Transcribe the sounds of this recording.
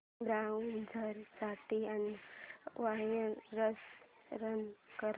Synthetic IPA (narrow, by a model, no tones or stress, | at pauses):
ɡaund͡zʱəɾsaʈian | ʋajəɾəsɾənkəɾ